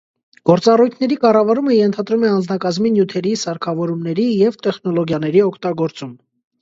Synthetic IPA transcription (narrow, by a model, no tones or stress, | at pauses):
ɡ̥ɔɾt͡sɑrujt̪ʰnɛɾikɑrɑvɑɾuməjɛnt̪ʰɑd̪ɾumɛɑnd͡znɑkɑzminjut̪ʰɛɾisɑɾkʰɑvɔɾumnɛɾijɛvt̪ɛχnɔlɔɡjɑnɛɾiɔkʰt̪ɑɡɔɾt͡sum